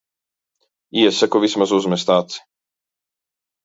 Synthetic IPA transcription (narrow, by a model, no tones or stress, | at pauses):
iɛsekoʋismazuzmest̪aːt̪si̥